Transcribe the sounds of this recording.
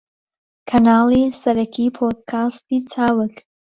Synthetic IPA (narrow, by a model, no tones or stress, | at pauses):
kʰanalisɛɾɛkʰipʰɔd̪̚kʰastitʰawɪk